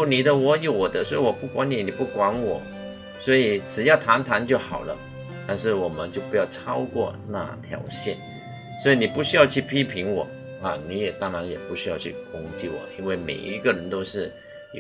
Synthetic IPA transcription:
ni˨˩d̪ə˦wɔ˧˥jo˨˩ʊwɔ˨˩d̪ə˦swɔ˧˥i˨˩wɔ˨˩pu˥˩kwa˧˥ni˨˥ni˨˩pu˥˩kwa˧˥nwɔ˨˩˦ | swɔ˧˥i˨˩ʈ͡ʂɻ̩˨˩jɑ˥˩ʊt̪ʰa˧˥nt̪ʰa˧˥nt͡ɕjo˥˩ʊxɑ˨˩ʊlə˦ | t̪a˥˧nʂ̬ɻ̩˥˩wɔ˨˩mə˦nt͡ɕjo˥˩ʊpu˧˥jɑ˥˩ʊʈ͡ʂʰɑ˥ʊkwɔ̰˥˧na̰˥˧t̪ʰjɑ̰˧˥ʊɕjɛ̰˥˩n | swɔ˧˥i˧˥ni˨˩pu˥˩ɕy˥jɑ˥˧ʊt͡ɕʰy˥˩pʰi˥pʰi˧˥ŋwɔ˨˩˦ | ɐ˥˨ni˧˥jɛ˨˩t̪ɑ˥ŋɻa˧˥njɛ˨˩pu˥˩ɕy˥jɑ˥˧ʊt͡ɕʰy̰˥˩kʊ˥ŋt͡ɕi˥˩wɔ̰˨˩˦i˥nwe˥˩ɪmḛ˨˩ɪʔḭ˧˥ɡə˧ɻə˧˦˥nt̪o˥ʊʂɻ̩˥˩ | j

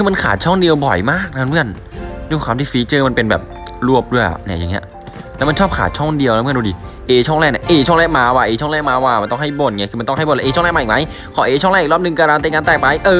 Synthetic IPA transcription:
kʰɯː˧ma˧nkʰa̰ː˨˩˦t̪̚t͡ɕʰɔ˥˩ŋdi˧əwbɔ˨˩jmaː˥˩k̚na˧˥mɯ˥˩ən | du˥˩kʰʷwaː˧mt̪iː˥˩fiː˦˥t͡ɕɤː˧˩ma˧npe˧nbɛ̰ː˨˩p̚ | ɾu˥˩əp̚du˥˩əja̰˧˩ʔna˦˧˩ja˨˩ŋːi˦˥ɐ | lɛː˦˥wma˧nt͡ɕʰɔː˥˩p̚kʰa̰ː˨˩t̪̚t͡ɕʰɔ˥˩ŋdi˧əwa˦˥˩du˧˩diː˧ʔeː˧t͡ɕʰɔ˥˩ŋlɛː˥˩k̚na˧˥˩ʔeː˧˩ɔ˥˩ŋlɛː˥˩k̚maː˧waː˧˩ʔeː˨˧˩ɔ˥˩ŋlɛː˥˩maː˧waː˧˩ma˧nt̪ɔ˥˩ŋɦa˥˩jbo˧˩nŋa˧˩kʰɯ˧m˧nt̪ɔ˥˩ŋɦa˥˩blʔːʰɔ˥ŋlɛː˥˩maː˧˨˩ma˦˥j | kʰɔ˨˩˦ʔeː˧t͡ɕʰɔ˥˩ŋlaː˥˩˨kɾɔː˥˩p̚nɯ˧ŋkaː˧ɾaː˧nt̪eː˧ŋa˧nt̪ɛː˨˩pa˧jʔɤː˧

